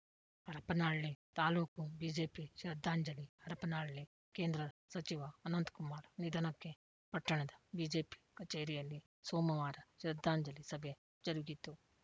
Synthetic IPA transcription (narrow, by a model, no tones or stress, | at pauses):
hɐɾɐpɐnaːɭlit̪aːluːkubiːd͡ʒeːpiʃɾɐd̪ːaːɲd͡ʒɐlihɐɾɐpɐnaːɭɭi | ke̞ːnd̪ɾɐsɐt͡ʃiʋɐːnɐnt̪kumaːɾnid̪ɐnɐkːe | pɐʈːɐɳɐd̪ɐbiːd͡ʒeːpi̥kɐt͡ʃeːɾijɐlːi | soːmɐʋaːɾɐʃiɾɐd̪ːaːɲd͡ʒɐlisɐbʱe | d͡ʒɐɾuɡit̪ːu